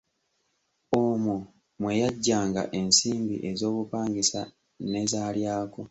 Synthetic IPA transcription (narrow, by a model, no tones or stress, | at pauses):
omu | mwe̞jaɟːaːŋɡa̰ʔe̞nsiːmbḭʔe̞zo̞ːβupaːŋɡisa̰ | ne̞zaːljaːko